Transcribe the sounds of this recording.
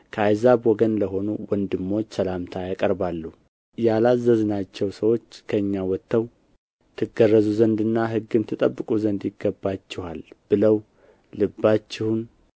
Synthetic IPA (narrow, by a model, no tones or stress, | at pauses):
kʰəajzabwɔɡənləɦo̞nuwɔnd̪ɨmːo̞t͡ʃːsəlamt̪ʰajakʼəɾbalːu | jalazːəznat͡ʃːɛwsəwo̞t͡ʃːkʰəɨɲːawɔt̪ʰːəw | t̪ʰɨɡərːəzuzənd̪ɨnːaɦɨɡːɨmt̪ʰɨt̪ʼəbːɨkʼuzənd̪jɪɡːəbːat͡ʃːɪhalb̥ɨləw | lɨbːat͡ʃːɪhun